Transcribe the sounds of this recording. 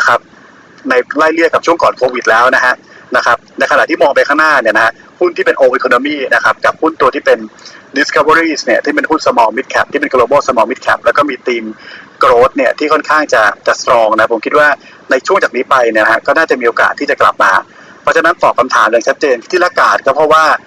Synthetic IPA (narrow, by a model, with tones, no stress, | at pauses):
kʰa˦˥p̚ | na˧jlaː˥˩jlɯ˥˩əkːa˨˩p̚ʰu˥˩əkɔː˨˩nkʰoː˧wi˨˩t̪̚lɛː˦˥wna˦˥kʰa˦˥ʔ | na˦˥kʰa˦˥p̚na˧jkʰa˧na˨˩ʔt̪ʰiː˥˩mɔː˧ŋpa˧jkʰaː˥˩ŋnaː˥˩ni˥˩na˦˥ha˦˥ | hu˥˩nt̪ʰiː˥˩pe˧nʔoː˧ʔi˨˧kʰo˧no˧miː˥˩na˦˥kʰa˦˥p̚ka˨˩p̚hu˥˩nt̪u˧ət̪ʰiː˥˩pe˧ndi˨˦skʰa˧˥wa˧ɾiː˥˩sni˥˩ɐt̪ʰiː˥˩pe˧nhu˥˩nsa˧mɔː˧mi˦˥t̪̚kʰɛ˦˩p̚t̪i˥˩pe˧nkloː˧boː˥˩sa˧mɔː˧mi˦˥t̪̚kʰɛ˦˥p̚lɛː˦˥wkɔː˥˩miː˧t̪iː˧mkɾoː˦˥t̪̚ni˥˩ɐt̪ʰiː˥˩kʰɔ˥˩nkʰaː˥˩ŋt͡ɕa˨˩t͡ɕa˨˩sɾɔː˧ŋna˦˥pʰo˩˦mkʰi˦˥waː˥˩ | na˧jt͡ɕʰu˥˩əŋt͡ɕaː˨˩niː˦˥pa˧jni˥˩n˦ha̰˦˥kɔː˥˩naː˥˩t͡ɕa˨˩miː˧ʔoː˧ka̰ː˨˩t̪ʰːiː˥˩t͡ɕa˨˩kla̰˨˩p̚maː˧ | pʰɔ˦˥t͡ɕʰa˧na˦˥nt̪ɔː˨˩kʰːa˧mt̪ʰa̰ː˩˦mja˨˩ŋt͡ɕʰa˦˥t̪̚t͡ɕeː˧nt̪ʰːiː˥˩laː˦˧˥kaː˨˩t̪̚kɔː˥˩pʰɾɔ˦˥waː˥˩